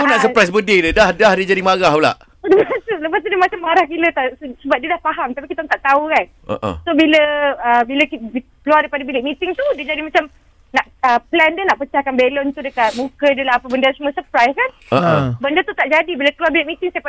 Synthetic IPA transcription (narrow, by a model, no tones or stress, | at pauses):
punaʔsəpɾajs̬bədɪdədahdahdiəd͡ʒadimaɡaɦəla̰ʔ | ləpasuləpas̬t̪unimat͡ʃamːaɾahkilət̪assəbap̚diədahpaɦamt̪apikit̪ɔnt̪aʔt̪aukan | ʔə̰ʔə̰sobiləəbiləkkəluwardajpadəbilɪk̚mit̪ɪŋt̪udiəd͡ʒadimat͡ʃam | naʔəplɛndənaʔpət͡ʃahkanbelɔnt̪udəkat̪̚mũkəidəlaɦapəbəndəsuməsəpɾajskanəbəndət̪ut̪aʔd͡ʒadibiləkəluarbilɪʔ̚mit̪ɪŋsaj